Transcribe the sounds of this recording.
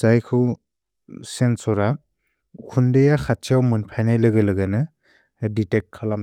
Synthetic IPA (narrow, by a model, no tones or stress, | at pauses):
zajkʰɯw | sensɔɾa | kʰundejaxʰat̚t͡ʃʰiawmɯnpʰajnajlɯɡɯlɯɡanɯ | ditek̚kʰalam